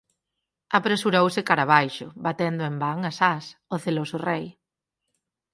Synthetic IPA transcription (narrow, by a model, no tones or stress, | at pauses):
apɾesuɾowsɪkaɾaβ̞ajʃʊbat̪end̪ʊembaŋasasʊθelosʊrej